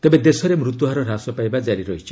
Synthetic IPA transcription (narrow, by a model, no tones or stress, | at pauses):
t̪ebed̪esɔɾemɾut̪uɦaɾɔɾasɔpajbad͡ʒaɾiɾɔɦit͡ʃʰɔ